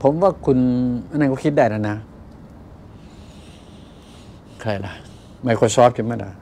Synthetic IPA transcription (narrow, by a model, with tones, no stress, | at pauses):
pʰo˨˦mwaː˧˥˩kʰu˧nʔa˧nːa˧nkʰɔ˥˩kʰi˦˥daː˧˩jna˧˩na˦˥ | kʰa˧˩jla˧˩ | ma˧˩kʰɔ˧˩jsɔː˦˥p̚kʰi˧˩maː˧˩la̰˧